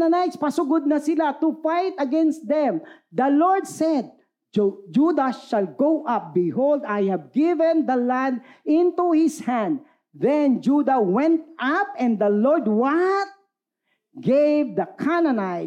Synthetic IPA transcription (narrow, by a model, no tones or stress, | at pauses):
nanajt̪spɐsʊɡʊd̪̚nɐsɪlat̪ʊfajt̪ɐɡɛ̃nst̪̚d̪ɛ̃md̪ɐlɔɹd̪sɛd̪̚ | d͡ʒud̪aʃalɡowʔap̚bɪhold̪ajhɛvɡɪvɛ̃nd̪ɐlãnd̪ɪ̃nt̪uhɪshãnd̪̚ | ðɛnd͡ʒud̪awɛ̃nt̪̚ʔap̚ɛ̃nd̪ɐlɔɹd̪̚wat̪̚ | ɡevd̪ɐkʰanɐnaj